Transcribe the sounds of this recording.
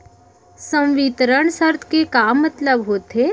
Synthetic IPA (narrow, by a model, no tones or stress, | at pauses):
sə̃mʋit̪ɾəɳ̃səɾt̪ʰkekaːmːət̪ləbɦoːt̪e